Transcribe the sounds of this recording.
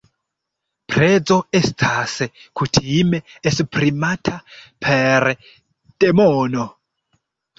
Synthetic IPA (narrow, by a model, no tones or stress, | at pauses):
pʰrɛd͡zɔɛstʰasɛkʰutʰimɛɛsprimatʰapʰeɾ | d̥emɔːnɔ